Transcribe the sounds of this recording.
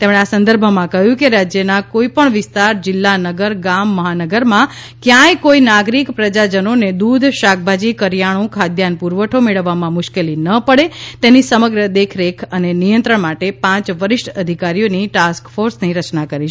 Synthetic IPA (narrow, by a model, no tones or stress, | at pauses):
t̪emɽ̃easə̃nd̪əɾbʱəmãkəɦjũkeɾad͡ʒjənakoipəɳʋɪst̪aɾd͡ʒɪlːanəɡəɾɡamːəɦanəɡəɾmã | kjãjkoinaɡɾikpɾəd͡ʒad͡ʒənoned̪ud̪ʱʃak̚bʱad͡ʒikəɾjaɽ̃õkʰad̪ʱjanpuɾʋəʈʰomeɭəʋːamãmʊʃkelinəpəɽet̪enisəməɡɾəd̪ekʰɾekʰənenijə̃nt̪ɾəɳmaʈepãt͡ʃʋəɾɪʃʈəd̪ʱikaɾijoniʈaskfoɾsniɾət͡ʃnakəɾi